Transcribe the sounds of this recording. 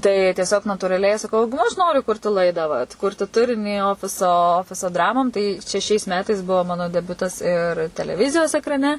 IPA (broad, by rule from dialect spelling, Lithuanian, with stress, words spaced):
tɐɪ tʲiɛˈsʲoːk nɐtuːrɐˈlʲɛɪ sɐˈkɐʊ ˈnʊ ɐʃ ˈnoːrʲʊ ˈkʊrʲtʲɪ ˈlˠɐɪdɑː ʋɐtˈkʊrʲtʲɪ ˈtʊrʲɪnʲiː ˈoːfʲɪsoː ˈoːfʲɪsoː ˈdrɑːmoːm tɐɪ t͡ʃʲɛ ʃʲɛɪs ˈmʲæːtɐɪs ˈbuɔ ˈmɑːnoː dʲɛˈbʲʊtɐs ɪr tʲɛlʲɛˈʋʲɪzʲɪjoːs ɛkrɐˈnʲɛ